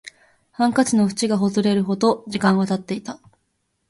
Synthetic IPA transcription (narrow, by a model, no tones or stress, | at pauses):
hãŋkat͡ɕino̞ɸɯ̟̥t͡ɕiɡaɦo̞zɨɾe̞ɾɯ̟ɦo̞d̪o̞d͡ʑikãɰ̃βat̪at̪ːe̞it̪a